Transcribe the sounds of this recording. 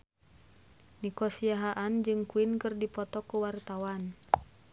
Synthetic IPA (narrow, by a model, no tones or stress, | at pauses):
nikɔsiaɦaʔand͡ʒɨŋkuinkɨrdipɔt̪ɔkuwart̪awan